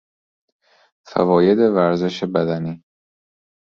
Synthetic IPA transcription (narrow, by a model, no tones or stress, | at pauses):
fæ̰vɒːje̞d̪e̞væɾze̞ʃebæd̪æniː